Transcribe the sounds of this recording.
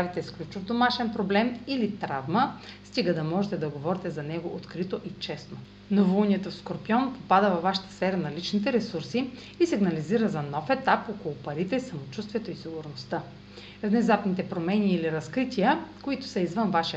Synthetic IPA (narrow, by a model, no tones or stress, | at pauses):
avit̪ɛsklʲut͡ʃʊvd̪omaʃɛnpɾoblɛmilit̪ɾavməst̪ʲiɡəd̪ɐmɔʒɛt̪ɛd̪ɐɡovɔɾit̪ɛzɐnɛɡoʔot̪kɾit̪oʔit͡ʃɛsno | novounʲiɛt̪ofskoɾpiɔnpopad̪əvɐvːaʃɐ̥t̪ə̥sfɛɾənɐlit͡ʃnit̪ɛɾɛsuɾsi | isiɡnɐliziɾəzɐnɔfɛt̪apɔkolˠʊpɐɾit̪ɛsɐmot͡ʃust̪viɛt̪oisiɡʊɾnost̪ə | vnɛzap̪nit̪ɛpɾomɛnʲiːliɾɐskɾit̪ʲijəkoit̪ʊ̥sɐizvənvaʃi